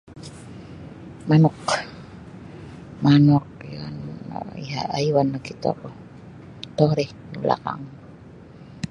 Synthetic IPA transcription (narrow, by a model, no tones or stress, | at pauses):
manɔk | manɔk̚a̰n̰ḭɦa̰ʔajwanakit̪ɔ̰k | t̪ɔhɾih | nula̰ka̰ŋ